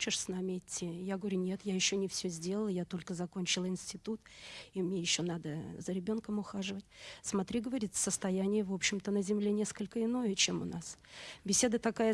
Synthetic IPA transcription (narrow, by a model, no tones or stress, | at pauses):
t͡ɕɪʂsʲn̪amʲɪɪtʲːijaɡəvɐɾʲunʲe̞t̪jajɪɕːonʲɪfsʲɵzʲdʲeləlˠəjat̪o̞lʲkəzɐkonʲt͡ɕɪlˠɪnsʲtʲɪt̪ut̪imnʲe̞jɪɕːonad̪əzəɾʲɪbʲo̞nkəmʊxaʐɨvətʲsmɐt̪ɾʲiɡəvɐɾʲit̪səst̪ɐjænʲɪjəvo̞pɕːɪmt̪ənəzʲɪmlʲe̞nʲe̞skəlʲkəɪno̞jət͡ɕe̞mʊnasbʲɪsʲe̞d̪ət̪ɐkajə